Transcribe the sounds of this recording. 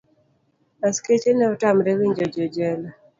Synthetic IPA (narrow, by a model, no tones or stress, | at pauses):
asket͡ʃenɛɔtamɾɛwiɲd͡ʒɔd͡ʒɔd͡ʒɛla